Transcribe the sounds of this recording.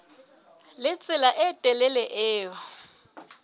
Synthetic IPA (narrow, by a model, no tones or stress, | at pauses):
lɪt͡sʼɪlaʔɪtʼɛlɛlɛʔɪːjɔ